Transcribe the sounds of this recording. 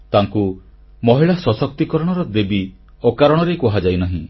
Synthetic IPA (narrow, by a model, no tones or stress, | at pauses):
t̪aŋku | mɔɦiɭasɔsɔk̚t̪ikɔɾɔɽ̃ɔɾɔd̪ebi | ɔkaɾɔɽ̃ɔɾekɔɦad͡ʒajnaɦĩ